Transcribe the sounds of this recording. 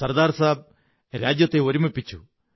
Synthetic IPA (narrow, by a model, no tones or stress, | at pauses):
sɐrd̪aːɾsaːb̚ | ɾaːd͡ʑjɐt̪ːe̞oɾumepːit͡ɕːu